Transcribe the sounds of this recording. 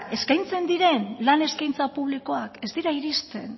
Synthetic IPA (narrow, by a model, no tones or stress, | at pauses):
e̞skajnt͡se̞nd̪iɾe̞nlane̞skajnt͡sapuβ̞liko̞ake̞zd̪iɾaiɾist̪e̞̰n